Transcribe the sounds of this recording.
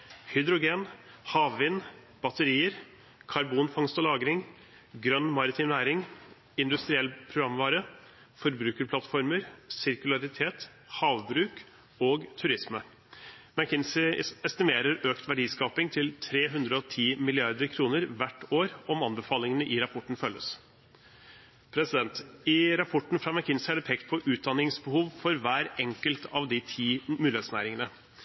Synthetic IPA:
hʏd̪ɾʊɡeːnhɑːʋʋɪn | b̥ɑt̪əɾiːəɾ | kʰɑɾbuːnfɑŋst̪ɔlɑːɡɾɪŋ | ɡɾœnːmɑɾɪt̪ʰɪːmnæːɾɪŋ | ɪnd̪ʉst̪ɾɪɛlːpʰɾʊɡɾɑmʋɑːɾə | fɔɾbɾʉːkəɾpʰlɑt̪fɔɾməɾsɪɾkʉlɑɾɪt̪ʰeːt̪ | hɑːʋbɾʉːk | oːɡt̪ʰʉɾɪsmə | mækʰɪnsɪɛst̪ɪmeːɾəɾøːkt̪ʋæɖiːskɑːpɪŋt̪ʰɪlt̪ʰɾeːɦʉnd̪ɾəɔt̪ʰiːmɪlɪɑɾd̪əɾkʰɾuːnəɾʋæʈːoːɾɔmɑnbəfɑːlɪŋənəʔɪɾɑpʰɔʈːɳ̩fœlːə̰s | pʰɾɛsɪd̪ɛnt̪ɪɾɑpʰɔʈːn̩fɾɑːʋækʰɪnsɪæɖɛpʰɛk̚t̪̚pʰɔʔʉːt̪̚d̪ɑnɪŋsbəhuːʋfɔɾʋæːɾɛŋkəlt̪ʰɑʋd̪ɪt̪ʰiːmʉːɪheːt̪snæ̰ːɾɪŋənə

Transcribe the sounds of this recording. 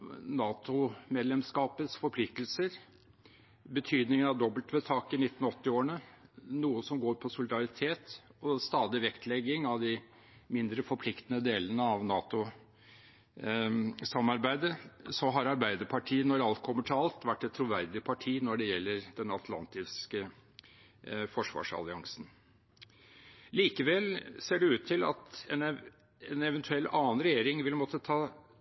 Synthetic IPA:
nɑːt̪ʊmeːd̪lɛmskɑːpəsfɔɾpʰlɪkt̪lsəɾ | bət̪ʰyːd̪nɪŋənɑʋd̪ɔbəlt̪ʋɛt̪ʰɑːkɪnɪt̪ːn̩ɔt̪ːɪoːəɳənuːəsɔmɡoːɾpʰɔsʊlɪd̪ɑɾɪt̪ʰeːt̪ɔst̪ɑːd̪ɪʋɛkt̪ʰlɛɡɪŋɑʋd̪ɪ | mɪnd̪ɾəfɔɾpʰlɪkt̪ənəd̪eːlənəɑʋnɑːt̪ʊ | sɑmːɑɾbæɪd̪əsɔɦɑɾɑɾbæɪd̪əɾpʰɑʈʰiːənɔɾɑlt̪̚kʰɔmːəʈʰɪɑlt̪ʋæʈːɛt̪ʰːɾʊʋæɾd̪ɪpʰɑʈʰiːnɔɖɛjɛlːəɾd̪ɛnɑt̪ʰlɑ̰nt̪ɪskə | fɔʂʋɑ̰ːʂɑ̰lɪɑŋsn | liːkəʋɛlseːɖɛʉːt̪ʰːɪlɑ̰t̪ɛn | ɛnɛʋənt̪ʰʉɛlːɑːənɾɛjeːɾɪŋʋɪlmɔt̪ːət̪ʰɑː

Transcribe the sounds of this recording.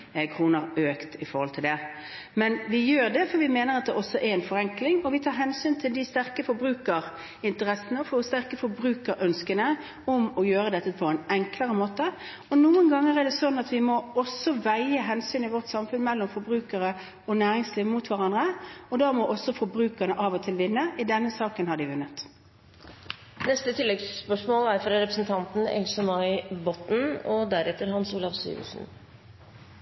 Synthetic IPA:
kʰʁuːnəɾøːkt̪ɪfɔɾʁhɔlt̪ʰɪld̪ɛ | mɛnʋɪjøːʁd̪ɛfɔɾʋɪmeːnəɾɑt̪̚d̪ɛʔɔsːɔʔɛɾɛɪnfɔɾɛŋklɪŋɔʋɪt̪ʰɑːɾɦɛnsyːnt̪ʰɪld̪ɪst̪æɾkəfɔɾbɾʉːkəɾ | ɪnt̪əɾɛsənəɔfoːst̪æʁkəfɔɾbɾʉːkəɾʔœnskənə | ɔmɔjøːɾəd̪ɛt̪ːəpʰɔɛnɛŋkləɾəmoːt̪ə | ɔnuːənɡɑŋːəʁɛd̪ɛsɔnːɑt̪ʋɪmɔɔsɔʋæɪəɦɛnsyːnɪʋɔʁt̪sɑmfʉnmɛlːɔmfɔɾbʁʉːkəɾə | ɔnæːɾɪŋsliːʋmut̪ʰʋæɾɑnd̪ɾəɔd̪ɑːmɔʔɔsːɔfɔɾbɾʉːkənəʔɑːʋɔt̪ʰɪlʋɪnːəʔɪd̪ɛnːəsɑːkənhɑɖɪʋʉnːət̪ | nɛst̪ət̪ʰɪlːɛɡspœʂmoːlæɾfɾɑɾɛpɾəsn̩t̪ʰɑnt̪n̩ɛ̰lsɛmɑɪbɔt̪n̩ɔd̪æɾɛt̪ːəɾhɑnsuːlɑʋsy̰ːʋə̰sn̩

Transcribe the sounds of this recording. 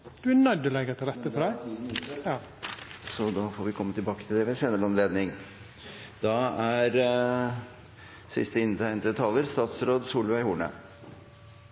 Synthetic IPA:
d̪̥ʉænœd̪əlɛɡət̪ʰɑlɛt̪ːəfɔɾæɪ | ɑ | sɔd̪ɑːfoːɾʋɪkʰɔmːət̪ʰɪlbɑːkət̪ʰɪld̪ɛʋɛseːnəɭɑnleːd̪nɪŋ | d̪ɑæɾ | sɪst̪əɪnt̪ʰæɪnt̪ət̪ʰɑlːəɾst̪ɑːt̪sɾoːd̪suːlʋæɪhuːɳə̰

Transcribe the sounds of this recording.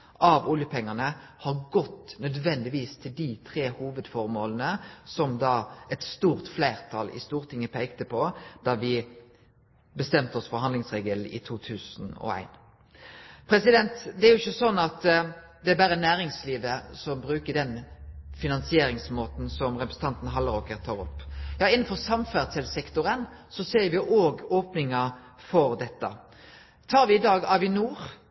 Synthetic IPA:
ʔɑʋʊljəpʰɛŋːənəhɑʁɡɔt̪ːnœd̪ʋɛnd̪ɪʋiːst̪ʰɪld̪it̪ʰʁeːhuːʋəd̪fɔʁmoːlənəsɔmd̪ɑːɛt̪st̪uːʁt̪flæɪʁt̪ʰɑlɪ̰st̪uːʁət̪ʰɪŋːəpʰeɪkt̪əpʰɔd̪̥ɑːʋɪ | bəst̪ɛmt̪əɔsfɔɾɦɑnd̪ɪŋsʁeːɡəlɪ̰t̪ʰuːt̪ʰʉːsn̩ɔ̰æ̰ɪn | pʰɾɛsɪd̪ɛnt̪d̪ɛæɾjʊɪçːəsɔnːɑt̪ | d̪ɛæbæːɾənæːɾɪŋsliːʋəsɔmbɾʉːkədɛnfɪnɑnsɪeːɾɪŋsmoːt̪n̩sɔmʁɛpɾəsn̩t̪ʰɑnt̪n̩ɦɑlːəɾokəɾt̪ʰɑːʁɔpːjɑːɪnːn̩fɔʁsɑmfæʁsɛlsɛkt̪ʊʁənsɔseːɾʋɪʔoːɡoːpnɪŋɑ | fɔɾd̪ɛt̪ːə | t̪ʰɑːɾʋɪːd̪ɑːɡɑːʋɪnuːɾ

